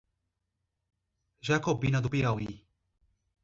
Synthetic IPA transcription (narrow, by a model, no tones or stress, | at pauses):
ʒakɔbinad̪upiawi